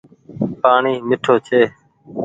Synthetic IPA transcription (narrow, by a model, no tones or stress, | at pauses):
paːɳiːmɪʈʰoːt͡ʃʰeː